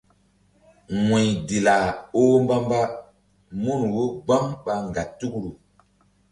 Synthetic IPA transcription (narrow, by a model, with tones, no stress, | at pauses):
we˨jdi˨la˨o˦mba˦mba˦ | mu˦nwo˦ɡ͡ba˦mɓa˨ŋ˨ɡa˨tːu˦kɾu˨